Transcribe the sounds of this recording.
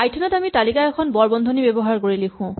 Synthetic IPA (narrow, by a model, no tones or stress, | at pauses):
ajtʰɔnɔtamitalikaɛkʰɔnbɔɹbɔndʱonibebɔɦaɹkoɹilexʰʊ̃